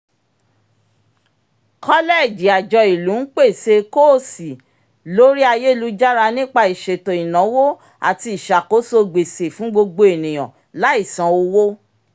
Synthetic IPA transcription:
kɔ˦lɛ˦˨d͡ʒi˨˦a˨d͡ʒɔ˧i˨lũ˨˦k͡pe˦˨se˧ko˦˨si˨ | lo˦ɾi˦a˧je˦˨lu˧d͡ʒa˦ɾa˧nĩ˦k͡pa˧i˨ʃe˨to˨i˨nã˨˦wo˦ | a̰˨ti˧i˨ʃa˨ko˨˦so˧ɡ͡be˨se˨fũ˨˦ɡ͡bo˧ɡ͡bo˧e˨nĩ˨j̃ɔ̃˨ | la˨˦i˦˨sã˨˧˦o˧wo˦

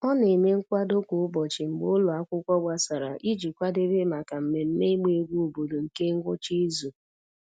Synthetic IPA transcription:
ɔ˦ne˨me˦ŋ̩˦kʷa˦do˦kʷʊ˨ʊ˦bɔ˨t͡ʃɪ˨ŋ͡m̩˨ɡ͡bʊ˦lʊ˨a˦kʷʊ˦kʷɔ˦ɡʷa˦sa˨ɾa˨ʔi˦d͡ʒi˨kʷa˦de˦be˦ma˨ka˨m̩˨me˨n̩˦ne˦me˨˦ɡʷu˦u˨bo˨do˨ŋ̩˨ke˦ŋ̩˦ɡʷʊ˦t͡ʃi˦zu˨

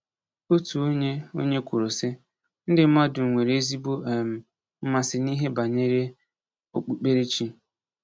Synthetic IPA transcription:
o˦tu˨o˦ɲe˦o̰˦ɲe˦kʷu˨ɾo˨sɪ˦ | n̩˦dɪ˨m̩˦ma˦dʊ˨ŋʷe˨ɾe˨e˦zi˦bo˦˨m̩˨ | m̩˦ma˦˨sɪ˨ni˦ɦe˦ba˨ɲe˦ɾe˦ | o˦˨k͡pu˦k͡pe˦ɾe˦t͡ʃi˦

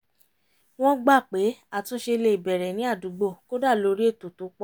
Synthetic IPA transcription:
w̃ɔ̃˦ɡ͡ba˦˨k͡pe˨˦a˦˨tũ˨˧˦ʃe˧le˧i˨bɛ˨ɾɛ˨nĩ˨˦a˦˨du˨˦ɡ͡bo˦˨ko˦da˦˨lo˨˧˦ɾi˦e˦˨to˨tu˨˦k͡pɔ˦

